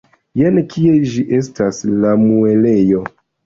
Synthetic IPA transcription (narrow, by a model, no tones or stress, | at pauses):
jenkʰied͡ʒiʔestaslamuelejo